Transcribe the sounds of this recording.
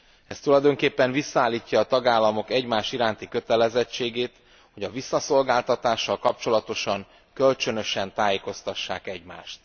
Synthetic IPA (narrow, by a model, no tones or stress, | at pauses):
ɛst̪ulɒjd̪o̞ŋkeːpːɛɱvisːɒaːlːiːcːɒːt̪ɒɡaːlːɒmo̞kɛɟmaːʃiɾaːnt̪ikø̞t̪ɛlɛzɛt͡ʃːeːɡeːt̪ | ho̞ɟɒvisːɒso̞lɡaːlt̪ɒt̪aːʃːɒlkɒp̚t͡ʃo̞lɒt̪o̞ʃɒŋ | kølt͡ʃø̞nø̞ʃɛnt̪aːjeːko̞st̪ɒʃːaːkɛɟma̰ːʃt̪̚